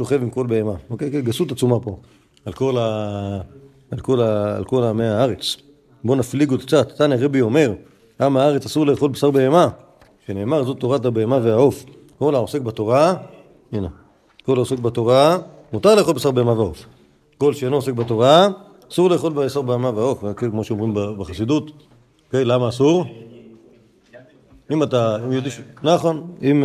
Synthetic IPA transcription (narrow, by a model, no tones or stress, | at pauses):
ʃoχe̞vimko̞lbeemaokejkeɡasut̪at͡sumapo̞ | alko̞la | lko̞la̰lko̞lameaaʁet͡s | bo̞nafliɡotk̚t͡sat̪at̪anaʁebio̞me̞ʁ | amaaʁet͡sasuʁle̞ːχo̞lbesaʁbe̞ema | ʃene̞ːmaʁzo̞t̪o̞ʁat̪abeemaveao̞f | ko̞laose̞k̚bat̪o̞ʁa | ine | kolaosek̚bat̪o̞ʁa | mut̪aʁle̞ːxχobesaʁbe̞emaveaof | ko̞lʃeenoos̬ek̚bat̪o̞ʁaː | suʁle̞ːχo̞lbesaʁbeemaveaofakekmoʃeomʁimbabeχasid̪ut̪ | oke̞jlamaːsuʁ | imat̪aimjod̪iʃnaχonim